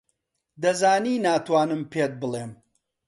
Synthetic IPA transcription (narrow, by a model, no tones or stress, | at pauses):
d̪ɐzaːniːnaːt̪waːnɨmpʰeːt̪̚bɨleːm